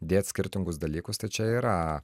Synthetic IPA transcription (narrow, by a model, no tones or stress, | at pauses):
d̪ʲeːt̪sʲkʲɪɾʲt̪ʲɪŋɡʊsd̪ɐlʲiːkʊst̪ɐɪt͡ʃʲɛiːɾɐ